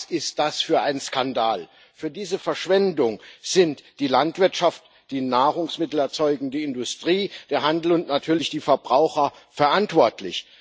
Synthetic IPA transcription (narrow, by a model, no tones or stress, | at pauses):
sʔɪst̚d̥asfyːɐʔaɪnnskandaːl | fyːɐdiːzəfɛɐʃv̥ɛndʊŋz̥ɪntd̥iːlantv̥ɪɐtʃaft | d̥iːnaːʁʊŋsmɪtl̩ɛɐt͡sɔʏɡŋ̩diːɪndʊstʁ̥iːd̥eːɐɦandl̩ʊntnatʰyːɐlɪçd̥iːfɛɐbʁaʊxɐfɛɐʔantv̥ɔɐtʰlɪ̰ç